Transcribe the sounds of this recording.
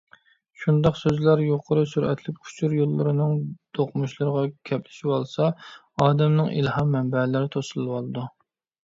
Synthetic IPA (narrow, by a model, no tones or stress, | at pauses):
ʃund̪ɑqsøzlæɾjoqʰəɾɨsuɾʔɛ̰t̪ʰlɪp̚kʰu̥t͡ʃʰuɾjolˠːɨɾɨnɨŋd̪̥oqʰmuʃlˠɨɾəʁɑkʲʰɛplɪ̥ʃiwɑlˠsɑ | ɑːd̪ɛmnɨŋḭlhɑmːɛmbɛlɪɾɪt̪ʰosɨlˠwɑlˠɨd̪u